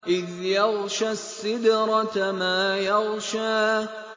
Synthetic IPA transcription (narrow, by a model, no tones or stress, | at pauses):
ʔɪðjɑɣʃasːɪd̪ɾˤɑt̪maːjɑɣʃaː